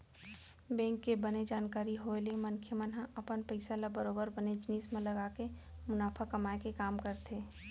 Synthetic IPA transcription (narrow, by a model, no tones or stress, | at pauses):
bɛ̃ːŋkːebəned͡ʒaːnkaːɾiɦoelemənkʰjəmənɦãʔɐpənpəɪsalabəɾoːbəɾbəned͡ʒniːsmẽləɡaːkemʊnaːfʰakɐmaːekekaːmkəɾt̪ʰeː